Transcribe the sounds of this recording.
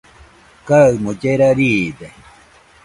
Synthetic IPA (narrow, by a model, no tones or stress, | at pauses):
kaɯmod͡ʒeɾaɾiːd̪e